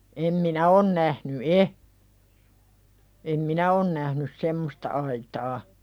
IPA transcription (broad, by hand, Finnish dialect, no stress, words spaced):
em minæ on næhny e em minæ on næhnys semːostɑ ɑitɑː